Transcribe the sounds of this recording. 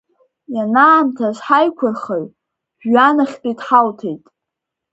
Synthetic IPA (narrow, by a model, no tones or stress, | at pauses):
janaːmtʰazʷħajkʷʰʊrχaɥ | ʒanaχʲpʼitħaltʰejtʼ